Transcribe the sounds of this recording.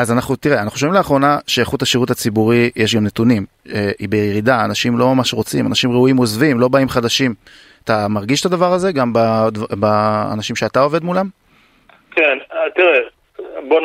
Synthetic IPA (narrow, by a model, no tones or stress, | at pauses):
azanaχnut̪iʁeanaχnuʃovimleaχʁo̞naʃeaχuthaʃiʁut̪at͡sibuʁijeʃ̬ɡamne̞tunim | eibejejeʁid̪aːnaʃimlo̞mamaʃʁo̞t͡simanaʃimʁeujimo̞zvimlo̞baimχad̪aʃim | at̪amaʁɡiʃt̪ad̪avaʁaze̞ɡambadvba̰ːnaʃimʃeat̪ao̞ved̪mulam | kent̪iʁe | bon